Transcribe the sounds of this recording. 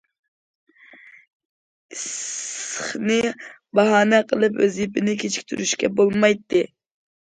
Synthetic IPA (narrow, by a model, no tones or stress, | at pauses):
ss | χnɨ | bɑɦɑːnɛqʰəlˠɨpø̰zipɪnɪkʲʰet͡ʃʰi̥kʲt̪ʰyɾyʃkʲɛbolˠmɑjt̪ːɨ